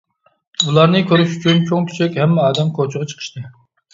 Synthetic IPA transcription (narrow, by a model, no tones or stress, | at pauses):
ulˠɑɾnɨkʲʰøɾyʃy̥t͡ʃʰynt͡ʃʰoŋkʲʰi̥t͡ʃʰɛkʲhɛmːɛɑːd̪ɛmkʰot͡ʃʰʊʁɑt͡ʃʰə̥qʰə̥ʃt̪ɨ